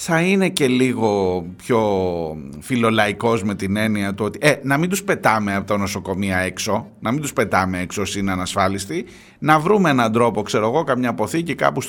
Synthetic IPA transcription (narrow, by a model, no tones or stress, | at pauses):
θɐine̞ce̞liɣo̞pço̞ | filo̞lɐiko̞zme̞t̪ine̞niɐt̪uo̞t̪iʔenɐmind̪uspe̞t̪ɐmeɐpot̪ono̞so̞ko̞miɐe̞kso̞nɐmind̪uspe̞t̪ɐme̞eksosineɐnɐsfɐlist̪i | nɐvɾumeenɐnd̪ɾo̞po̞kse̞ɾoɣo̞kɐmɲɐpo̞θicikɐ̰pus